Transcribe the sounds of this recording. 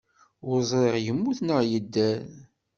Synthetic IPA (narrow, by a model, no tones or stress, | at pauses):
ʊɾzˤɾeʁjəmːuθnəʁjəd̪ːæð